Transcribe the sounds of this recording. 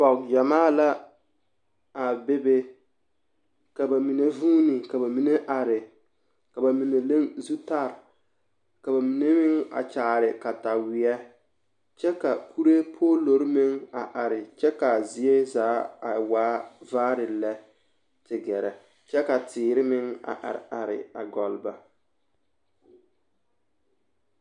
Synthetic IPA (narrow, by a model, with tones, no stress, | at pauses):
pɔ˨kja˨maː˦˨la˦ | a˨be˦be˦ | ka˨ba˨mi˨ne˦vuː˦nɪ˨ka˨ba˨mi˨ne˦ʔa˨ɾɪ˨ | ka˨ba˨mi˨ne˨le˦ŋzu˦ta˦˨ɾ | ka˨ba˨mi˨ne˦mɪ˦ŋa̰˨t͡ʃaː˨ɾɪ˨ka˨ta˨wɪ˨ɛ˦ | t͡ʃɛ˦ka˨kʰu˦ɾe˦pʰoː˦lo˨ɾɪ˦mɪ˦ŋa˨ʔa˨ɾɪ˨t͡ʃɛ˦ka˨zɪ˨e˦zaː˨˦a˨waː˦vaː˦ɾɪ˨lɛ˦ | tɪ˨ɡɛ˨ɾɛ˨ | t͡ʃɛ˦ka˨tɪː˨ɾɪ˦mɪ˦ŋa̰˨ʔa̰˨ɾɪ˨a˨ɾɪ̰˨a˨ɡɔ˨lba˨